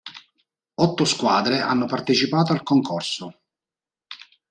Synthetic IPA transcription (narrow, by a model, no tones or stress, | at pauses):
ɔt̪ːoskwaːd̪ɾeʔa̰nːopart̪et͡ʃipaːt̪oalkoŋkʰɔrso